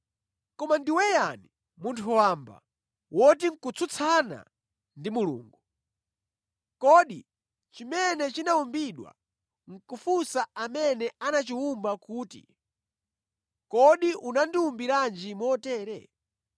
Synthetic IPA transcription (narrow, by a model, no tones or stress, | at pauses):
kɔmandiwɛjani | muntʰuwaːmba̰ | wɔtiŋ̩kut͡sʰut͡sʰana̰ | ndimulṵːŋɡu | kɔɗi | t͡ʃimɛnɛt͡ʃinaumbiɗwa̰ | ŋ̩kufusaamɛnɛanat͡ʃiumbakuːtḭ | kɔɗiʔunandiumbiɾand͡ʒimwɔtɛːɾɛ̰